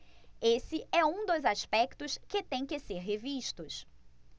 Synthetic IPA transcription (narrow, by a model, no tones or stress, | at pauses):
esɪʔɛũd̪ʊzaspɛkt̪ʊskɪt̪ẽj̃kɪseɾɦeviʃt̪ʊs